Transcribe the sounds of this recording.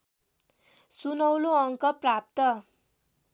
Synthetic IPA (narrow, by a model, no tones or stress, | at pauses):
sunʌwloʌŋkʌprap̚t̪ʌ